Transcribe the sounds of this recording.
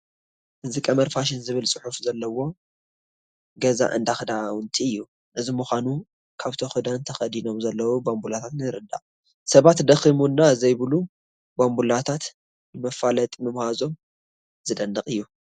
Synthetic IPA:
ʔɨzikʼɐmɐɾfaʃ̬ɪnzɨβɨlsʼɨħufzɐlːɐwo̞ | ɡɐza̰ʔɨ̰nd̪axɨd̪awʊnt̪ʰiɨjːu | ʔɨzimuxʷanu | kʰaβt̪ʰoxɨd̪ant̪ʰɐxɐd̪ino̞mzɐlːɐwubambulat̪ʰat̪nɨɾɨd̪a̰qʼ | sɐβat̪d̪ɐximunːazɐjβɨlu | bambulat̪ʰat̪ | nɨmɐfalɐt̪ʼmɨmhazo̞m | zɨd̪ɐnːɐqʼɨjːu

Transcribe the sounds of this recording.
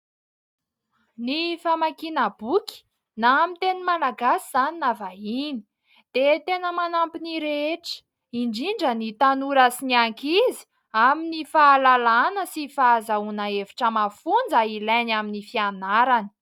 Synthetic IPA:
nifamakinab̥ukʲi̥ | namint̪enimalaɡasiz̥aninavaini̥ | d̪̥et̪enəmanampiniɾeeʈ͡ʂə̥ | iɳɖ͡ʐiɳɖ͡ʐənit̪anuɾəsiniaŋkizi̥ | aminifaːlalanəsifazaunaeviʈ͡ʂəmafund͡zəilajnaminifianaɾani̥

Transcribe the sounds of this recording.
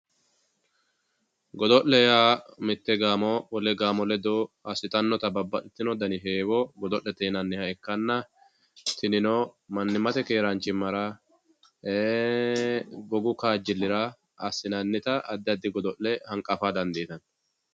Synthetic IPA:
ɡɔd̪ɔʔlːɛjaːmɪt̪ːɛɡaːmɔwɔlɛɡaːmɔlɛd̪oɐsɪt̪ʼɐnːɔt̪ɐbɐbːɐᶑɪt̪ːɪnɔd̪ɐnɪɦeːwɔɡɔd̪ɔʔːɛt̪eːnɐnːɪhɐɛkːɐnːɐ | t̪ɪnɪnoːmɐnːɪmɐt̪ɛkeːɾant͡ʃːɪmɐɾa | eː | ɡɔɡʊkaːd͡ʒːɪlːɪɾɐ | ɐsɪnɐnːɪt̪ɐɐd̪ːɐd̪ːɪɡɔd̪ɔʔːɛhɐŋkʼɐfaːd̪ɐnd̪iːt̪ɐn

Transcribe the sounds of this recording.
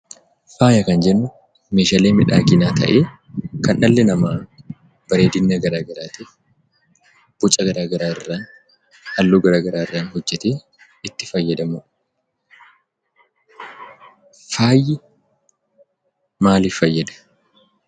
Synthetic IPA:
faːjɐkɐnd͡ʒɛnːʊ | meːʃaleːmɪᶑaːɡɪnaːt̪ʰɐ̰ʔeː | kɐnʔɐlːɛnɐmaː | b̥ɐɾeːd̪ɪnːɐɡɐɾaːɡɐɾaːt̪eː | b̥ʊt͡ʃʼɐɡɐɾaːɡɐɾaːɪrːaːn | hɐlːoːɡɐɾaːɡɐɾaːɪrːaːnhɔd͡ʒːɛt̪eː | ɪt̪ːɪfɐjːɐd̪ɐmʊ | faːjɪ | maːlɪfɐjːɐd̪ɐ̥

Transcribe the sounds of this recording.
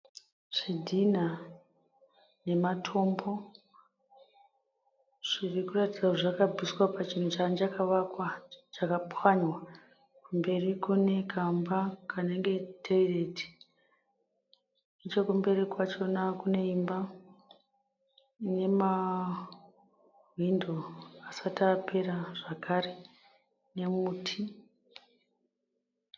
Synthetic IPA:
ʐ̥idʱina | ne̞matʰo̞mbo̞ | ʐ̥irikuratid͡zaʐakabʱiswapat͡ʃin̤ut͡ʃand͡ʒakaʋakwat͡ʃakapwaɲwa | kumbe̞rikune̞kʰambakʰane̞ŋɡe̞tʰeire̞ti̥ | et͡ʃokumbe̞rikwat͡ʃo̞nakune̞imba | ine̞ma | windoasatapʰe̞ɾaʐakʰare | ne̞muːtʰi

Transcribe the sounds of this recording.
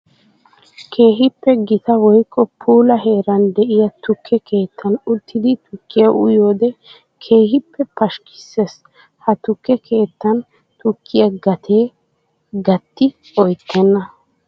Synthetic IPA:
kʰe̞ːɦɪpːɛɡɪt̪ɐwɔjkʼːɔpʰuːlɐɦe̞ːɾɐnd̪ɛʔɪjɐt̪ʊkʰːɛkʰe̞ːt̪ːɐnʊt̪ːɪd̪ɪt̪ʊkːɪjɐʔʊ̰jo̞ːd̪ɛ | kʰe̞ːɦɪpʰːɛpɐʃkɪ̥sːɛs | hɐt̪ʊkːɛkʰe̞ːt̪ːɐn | t̪ʊkʰːɪjɐɡɐt̪ʰeː | ɡɐt̪ːɪ | ɔjt̪ʰːɛnːɐ

